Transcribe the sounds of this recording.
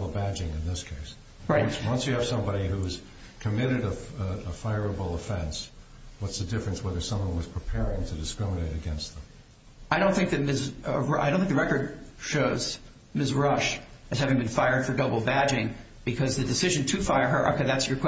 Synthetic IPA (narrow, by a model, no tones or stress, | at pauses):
bl̩ˠbæd͡ʒɪ̃ŋɨ̃nðɪskʰeɪs | ɹaɪtwʌ̃nsjɨːv̥sʌ̃mbɑɾihuz̥ | kʰɨmɪɾɨɾəəfaɪə˞əbl̩ˠəfɛ̃ns | wʌtsðɨdɪfɹɨ̃nswɛðə˞sʌ̃mwʌ̃nwʌz̥pʰɹ̥ɨpʰɛɹɪ̃ŋtʰɨdɨskɹɪməneɪɾɨɡɛ̃nst̪̚ðə̃m | aɪɾõʊ̃nθɪ̃ŋk̚ðɨt̚mɪsa̰ɪɾõʊ̃nθɪ̃k̚ðəɹɛkə˞d̚ʃoʊz̥ | mɪsɹʌʃɨhævɪ̃ŋbɨ̃nfaɪə˞d̥fə˞dʌbl̩ˠbæd͡ʒɪ̃ŋ | b̥ɨkʰʌzðɨdɨsɪʒɨ̃ntʰɨfaɪə˞ə˞ʔʌ̰kʌðætsjə˞kʰw̥